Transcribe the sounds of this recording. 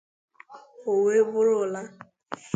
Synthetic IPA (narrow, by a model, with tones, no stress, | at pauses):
o˨we˦bʊ˦ɾʊ˨la˦